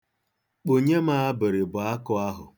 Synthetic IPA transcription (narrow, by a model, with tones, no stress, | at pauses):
k͡po˨ɲe˦ma˦a˦bɪ˨ɾɪ˨bʊ˨a˦kʊ˦a˦ɦʊ˨